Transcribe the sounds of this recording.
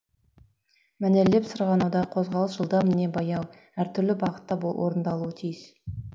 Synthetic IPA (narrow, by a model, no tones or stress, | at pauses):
mænelle̞psəɾʁɑnɑwd̪ɑqʰo̞zʁɑlˠəsʒəlˠd̪ɑmɪne̞bɑjɑw | æɾt̪ʰʏɾlɪbɑʁət̪ːɑbwo̰ɾənd̪ɑlˠuət̪ʰijəs